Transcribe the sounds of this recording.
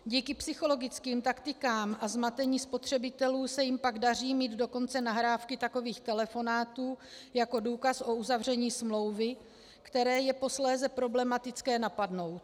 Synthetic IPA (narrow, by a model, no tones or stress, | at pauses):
ɟiːkɪpsɪxo̞lo̞ɡɪt͡skiːmt̪akt̪ɪkaːmʔazmat̪ɛɲiːspo̞t̪r̝̥ɛbɪt̪ɛluːsɛjɪmpaɡdar̝iːmiːd̪do̞ko̞nt͡sɛnaɦɾaːfkɪt̪ako̞viːxt̪ɛlɛfo̞naːt̪uːjako̞duːkasʔo̞uzavr̝ɛɲiːsmlo̞wvɪ | kt̪ɛɾɛːjɛpo̞slɛːzɛpɾo̞blɛmat̪ɪt͡skɛːnapadno̞wt̪̚